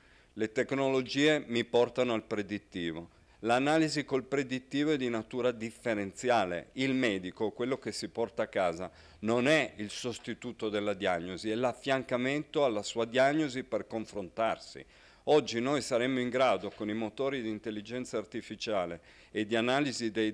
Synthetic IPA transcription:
let̪eknolod͡ʒiːemipɔrt̪anoalpɾed̪it̪ːiːvo | lanaːlizikolpɾed̪it̪ːiːvoed̪inat̪uːɾad̪ifːeɾent̪sjaːlḛilmɛːd̪ikokwelːok̟esipɔrt̪aːkːaːza | nonɛilsost̪it̪uːt̪od̪elːad̪iaɲːoziɛlafːjaŋkament̪oalːasuːad̪jaɲːoziperkoɱfɾont̪arsḭ | ɔd͡ʒːinojsaɾemːoiŋɡɾaːd̪okonimot̪oːɾid̪iːnt̪elːid͡ʒɛnt̪saːrt̪ifit͡ʃaːle | ed̪ːianaːlizid̪ej

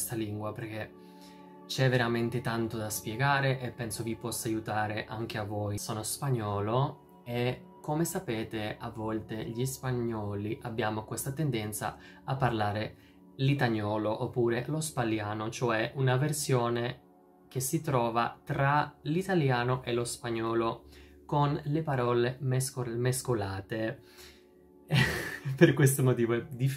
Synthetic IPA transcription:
st̪aliŋɡwaperk̟e | t͡ʃɛvːeɾament̪et̪ant̪od̪aspjeɡaːɾeʔepːɛnsovipɔsːajut̪aːɾeʔaŋk̟eavːoːjsoːnospaɲːɔːlo | e | komesapeːt̪eavːɔlt̪eʎispaɲːɔːliʔabːjaːmokwest̪at̪end̪ɛnt̪sa̰ | apːarlaːɾe | lit̪aɲːɔːloʔopːuːɾelospaljaːnot͡ʃoɛʔunaversjoːne | k̟esːit̪ɾɔːva̰t̪ɾalit̪aljaːnoʔelospaɲːɔːlo | konlepaɾɔːlemsmeskolaːt̪e | perkwest̪omot̪iːvoɛd̪i

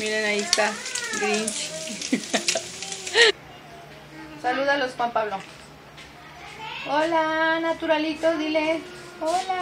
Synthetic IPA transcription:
miɾenaist̪aɡɾint͡ʃ | saluðalosxwampaβlo | olanat̪uɾalit̪ozd̪ile | ola

